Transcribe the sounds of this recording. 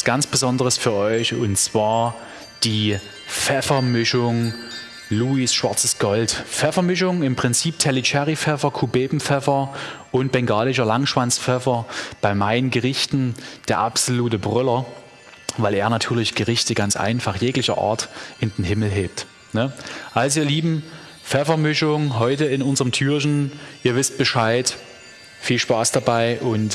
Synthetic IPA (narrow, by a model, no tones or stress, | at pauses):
sɡ̥ant͡sb̥əzɔndəʁəsfyːɐʔɔʏçʊnt͡sv̥aːɐ | d̥iː | fɛfɐmɪʃʊŋ | luːisʃv̥aɐt͡səsɡ̥ɔltfɛfɐmɪʃ̬ʊŋɪmpʁ̥ɪnt͡siːp̚tʰɛlit͡ʃɛʁifɛfɐkʰubeːbm̩fɛfɐʔʊnt̚b̥ɛŋɡaːlɪʃ̬ɐlaŋʃv̥ant͡sfɛfɐb̥aɪmaɪnənɡəʁɪçtn̩d̥eːɐʔa̰pz̥oluːt̬əbʁʏlɐ | vaɪleːɐnatʰyːɐlɪçɡ̥əʁɪçtəɡant͡sʔa̰ɪnfaχjeːklɪçɐ̰ʔa̰ɐtʔɪndenɦɪml̩ɦeːp̚t | nəʔalzoiːɐliːbm̩ | fɛfɐmʏʃʊŋɦɔʏtəɪnʊnzəʁəmtʰyːɐç̬n̩ʔiːɐvɪst̚b̥əʃaɪt | fiːlʃpaːsd̥abaɪʔʊnt